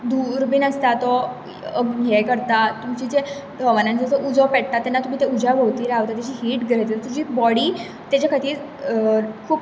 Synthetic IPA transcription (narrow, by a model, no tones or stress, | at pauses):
d̪uɾbiːnəst̪at̪ɔ | əɡɦekəɾt̪at̪umt͡ɕid͡ʑe | ɔʋanãnd͡zəsəʔud͡zɔpɛɽ̚t̪at̪ːɛnːat̪um̤iːt̪eud͡ʑʱabʱoʋt̪iːɾaʋt̪at̪jat͡ɕiːɦiːʈɡɾət̪et̪ud͡ʑiːbɔɽiː | t̪jat͡ɕakʰət̪iː | kʰuːp